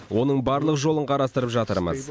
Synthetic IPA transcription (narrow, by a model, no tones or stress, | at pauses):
wo̞nəɴbɑɾlˠəqʒo̞lˠəɴqʰɑɾɑst̪əɾəpʒɑt̪əɾmə̰z